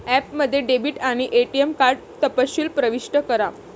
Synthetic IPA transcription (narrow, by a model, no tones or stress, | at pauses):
æpməd̪ʱːjeɖebiːʈaɽ̃iʔeʈiemkaɾɖt̪əpəɕiːlpɾəʋiʂʈəkəɾa